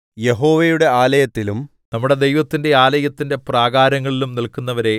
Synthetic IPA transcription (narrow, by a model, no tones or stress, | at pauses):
je̞ɦo̞ːʋejuɽe̞aːlɐjɐt̪ːilum | nɐmːuɽe̞d̪e̞jʋɐt̪ːinde̞aːlɐjɐt̪ːinde̞praːɡaːɾɐŋːɐɭilumnilkunːɐʋɐɾe̞